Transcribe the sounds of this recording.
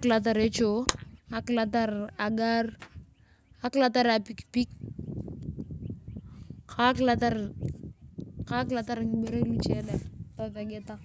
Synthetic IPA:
kla˨t̬a˨ɾe˦t͡ʃoa˨klata˦ɾa˨ɡa˦r | a˦kla˦ta˦ɾa˨pikpi˦k̚ | kʰakla˦ta˦ɾ | ka˦klata˦ɾaŋme˦ɾe˦lu˦t͡ʃa˦dɛtɔka˨ɡɪ˦ta˦

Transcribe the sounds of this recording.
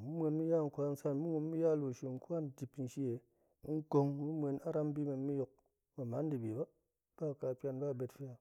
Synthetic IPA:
mu˦m˦e˧nmi˦ja˦˨ŋ̩˨kʷa˦n̩˦sa˦nmu˦ŋu˧m˦mi˦ja˦˨lu˨ʃi˨ŋ̩˦kʷa˦n˨ti˨pn̩˨ʃi˦e˨˦ | ŋ̩˦ko˧ŋmu˦mʷe˧na˦ɾa˦m˦bi˦mʷe˧nmi˦jo˧k̚ | ma˨ma˨˦n˦di˨bi˨ba˦ | b̥a˦˨ka˧˨pʲa˧nba˦˨be˧tfi˦ja˨

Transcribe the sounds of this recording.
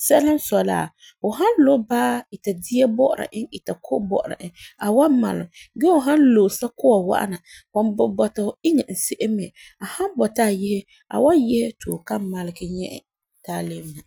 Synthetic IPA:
sɛ˦la˦n˦sɔ˨la̰˨ | ʊ˨ɦa˦n˦lo˦baː˦i˨ta˨di˦ɛ˦bɔ˦ʔʊ˨ɾa̰˨ʔɪ˦ŋi˨ta˨kʰo˦bɔ̰˦ʔʊ˨ɾa̰˨ʔɪ˦a˨wa˦ma̰˨lɪ˨ɡɛ˦ʊ˨ɦa˦nlo˨sa˦ko˦wa˨wa̰˦ʔa̰˦na˨wa˨nbɔ˨bɔ˨ta˨ɪ˦ŋɛ˨n̩˨se˦ʔe˦mɛ˨ | a˨ha˦mbɔ˨ta˦˨jɪ˦hɪ˦ | a̰˨wa˦jɛ˦he˦tʰoː˨ka˦ma˨lɪ˦ɡɪ˦ɲɛ̰˦ʔɛ̰˨ | taː˦le˦m˦na˨

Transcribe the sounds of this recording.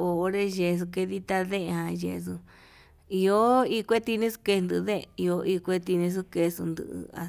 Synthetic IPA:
o˨o˧ɾe˦ʒe˧s̬u˧ke˧ði˦t̪a˧ðe˦˧hã˧jḛ˧su˧ | i˧o˦i˦kʷe˦t̪i˧nĩ˦su̥˧ke˧nd̪ɨ˧ðe˦˧i˧o˧i˧kʷe˦˧t̪i˧nĩ˧s̬u˦ke˧sṵ˧nd̪ɨ̰˧˨ɨ̰˧a̰˧

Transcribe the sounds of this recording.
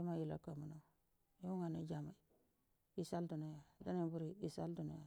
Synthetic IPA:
i˦ma˦ji˨la̰˨ka˨mu˨no˨ | ju˦ŋa˨ni˦d͡ʒa˨ma˨ | i˨sa˦ldu˨na˨ja˨da˦ni˦bu˦ɾi˨i˦sa˦ldu˨na˨ja˨

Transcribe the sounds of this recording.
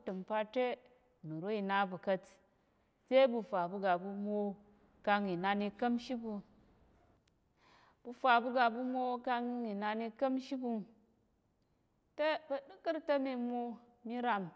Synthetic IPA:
tɨ˨m˨pa˧te˦ | nu˨ɾo˦i˧na˦bu˨kɐ˦t | se˦bu˧fa˨bu˧ɡa˨bu˧mo˦ | ka˧ŋi˨na˧ni˧kɐ˦mʃi˦bu˧ | b̥u˧fa˨bu˦ɡa˨bu˦mʷo˦ka˧ŋi˨na˧ni˧kə˦mʃi˦bu˧ŋ | te˦bɐ˨ɗu˦kɨ˦ɾtə˦mi˧mo˦ | mi˦ɾa˨m

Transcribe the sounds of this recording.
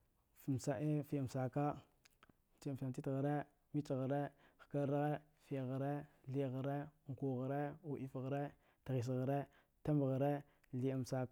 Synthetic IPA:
fm˨sa˨ʔe˦fi˦˨m˨sa˨ka˦˨ | t͡ʃi˦˨a˨ti˦tɣa˨ɾe˦ | mi˦t͡ʃɣə˨ɾe˦xka˦ɾa˦ɣe˦ | fi˨ɣa˨ɾe˦ɬi˦˨ɣa˨ɾe˦˨ŋ˨ku˨ɣa˨ɾe˦u˨ʔi˦fɣɾe˦ | ta˨ɣi˨s̬ɣə˨ɾe˦ | ta˦m˨ɣa˨ɾe˦ | li˨a˨m˨sa˨ka˦

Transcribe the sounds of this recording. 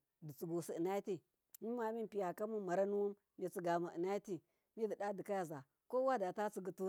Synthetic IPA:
di˨t͡su˨ɡu˨si˨i˨na˦ti˦ | mi˦ma˨˦mi˦˨pi˨ja˨ka˦mu˦ma˨ɾa˦nu˦wu˦mːi˨t͡si˨ɡa˨ma˨ʔi˨na˦i˦ti˦ | mi˦di˨da˦di˨ka˦ja˨za˨ | ko˦wa˦da˨ta˦t͡si˦ɡu˨tu˦

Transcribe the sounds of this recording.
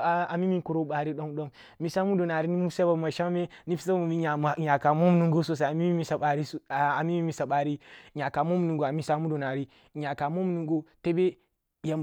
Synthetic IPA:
a˨a˨mi˦mi˦ku˨ɾo˦ba˨ɾi˦ɗo˦ŋɗo˦ŋ | mi˨˦sa˦mu˦do˨na˨ɾi˦ni˦mu˦sa˦ba˨ma˨ʃa˦ŋme˦ni˦fi˦sa˦ba˦ma˨mi˦ɲa˨ɲa˨ka˨mo˦m˦nu˨ŋɡo˦so˦s̬a˨a˨mi˦mi˦mi˦sa˨a˨ɾi˦˨a˨mi˦mi˦mi˨sa˨ba˨ɾi˦˨ɲa˨ka˨mo˦m˨nu˨ŋɡo˨a˨mi˦sa˦mu˦do˨na˨ɾi˦˨ | ɲa˨ka˨mo˦m˦nu˨ɡo˦te˦be˦ | ja˨m

